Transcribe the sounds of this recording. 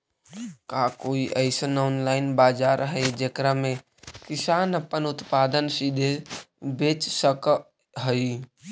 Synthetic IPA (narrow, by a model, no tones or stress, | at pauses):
kaːkoːiʔəɪsenaːnlaːɪnbaːd͡ʒaːɾɦəed͡ʒekɾamẽ | kɪsaːnəpːənʊt̪paːd̪ənsid̪ʱebeːt͡ʃsək | ɦəi